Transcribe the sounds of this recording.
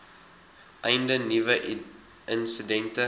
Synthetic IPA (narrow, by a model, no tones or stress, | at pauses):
ʔɛjndənivə | ənsidɛntə